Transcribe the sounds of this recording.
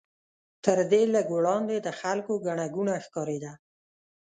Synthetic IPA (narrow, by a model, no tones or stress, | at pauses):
t̪əɾd̪eləɡwɽɑnd̪ed̪əxalkoɡaɳaɡunaxkɑɾed̪a